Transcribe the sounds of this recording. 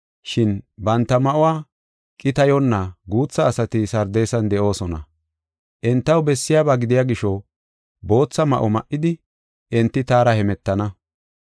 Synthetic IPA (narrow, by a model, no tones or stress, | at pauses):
ʃɪnbɐnt̪ːɐmɐʔɔwaː | kʼɪt̪ɐjɔnːɐɡuːt͡sːɐːsɐt̪ɪsɐɾd̪ejsɐnd̪ɛʔo̞ːsɔnɐ̰ | ʔɪnt̪ːɐwbɛsːɪjaːbaːɡɪd̪ɪjaːɡɪʃɔ | bo̞ːt͡sːɐmɐ̰ʔɔmɐʔːɪd̪ɪ | ʔɪnt̪ːɪt̪aːɾɐhɛmɛt̪ːɐnɐ